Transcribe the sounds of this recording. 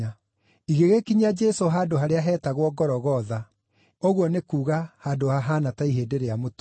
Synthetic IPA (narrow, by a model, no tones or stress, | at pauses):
a | iɣeɣekiɲad͡ʒɛsoɦaːdoɦaɾeaɦɛːtaɣwɔɡɔɾɔɣɔða | oɣwɔnekuːɣahaːdohaɦaːnataiɦeːdeɾeamoto̥